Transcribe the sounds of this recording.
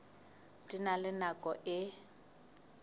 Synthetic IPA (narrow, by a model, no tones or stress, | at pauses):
tʼinalɪnakʼɔʔɪ